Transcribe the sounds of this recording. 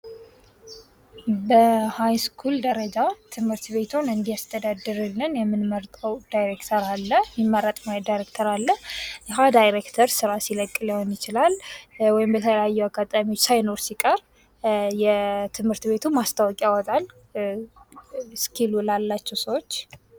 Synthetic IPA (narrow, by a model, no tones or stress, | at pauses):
bəhajskʰuld̪əɾəd͡ʒat̪ʰɨmhɨɾt̪be̞t̪ʰunɨnd̪ijast̪ʰəd̪ad̪ːɨɾɨlːɨnjɛmːɨnməɾt̪ʼəwd̪ajɾekt̪ʰəɾalːəjɪmːəɾat̪ʼmajdajɾekt̪ʰəɾalːəhjɪɦad̪ajɾekt̪ʰəɾsɨɾasiləkʼːlihonjɪt͡ʃɪlalwɔjɪmbət̪ʰələjajːɛwaɡat̪ʼamiwot͡ʃːsajnoɾsikʼəɾ | jɛt̪ʰɨmhɨɾt̪be̞t̪ʰumast̪ʰʼawɔkʼiawɔt̪ʼal | skʰilulalːat͡ʃːɛwsəwo̞t͡ʃː